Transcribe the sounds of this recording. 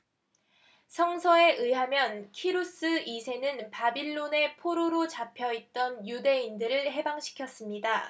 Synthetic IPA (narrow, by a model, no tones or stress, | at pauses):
sʰʌŋsʰʌe̞ʔɯɦamjʌnkʰiɾus͈ɯisʰe̞nɯnpabiɭːone̞pʰoɾoɾot͡ɕapʰjʌit̚t͈ʌnjude̞indɯɾɯɭɦe̞baŋɕʰi̥kʰjʌs͈ɯmɲida